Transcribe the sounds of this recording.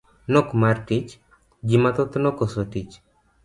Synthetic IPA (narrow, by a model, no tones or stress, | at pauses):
nɔkmaɾʈit͡ʃ | d͡ʒimat̪ɔt̪ɔnɔkɔsɔʈit͡ʃ